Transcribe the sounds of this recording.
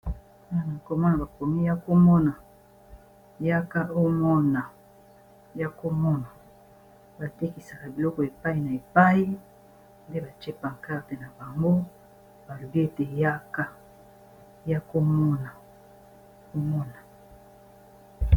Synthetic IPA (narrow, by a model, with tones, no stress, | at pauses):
a˦˨na˨ko˦mɔ˦na˨ba˨ko˨mi˦ja˦ko˦mɔ˦na˨ | ja˦ka˦ʔo˦mɔ˦na˨ | ja˦ko˦mɔ˦na˨ | ba˨te˦ki˨sa˨ka˨bi˨lɔ˦kɔ˨e˨pa˦i˦˨na˨e˨pa˦ji˦ | nde˦ba˨t͡ʃe˦pa˨ŋ˨ka˦˨te˨na˨ba˨ŋɡo˦ | ba˨lo˨bi˦e˦te˨ja˦ka˦ | ja˦ko˦mɔ˦na˨ | o˦mɔ˦na˨